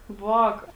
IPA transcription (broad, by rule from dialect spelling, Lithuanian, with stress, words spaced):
ˈʋɑːkɐ